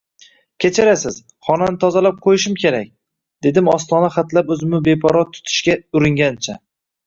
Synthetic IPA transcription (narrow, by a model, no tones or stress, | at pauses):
kʲʰet͡ʃʰaɾasɪz̥ | χɒnanɪt̪ʰɒzalap̚qʰojɪʃɪmkʲe̞ɾak̚ʲ | d̪e̞d̪ɪmɒst̪ɒnaχat̪lapɵzɪmɪbe̞pʰɒɾɒt̪ʰʊ̥t̪ʰɪ̥ʃkʲaʊɾɪŋɡʲant͡ʃʰa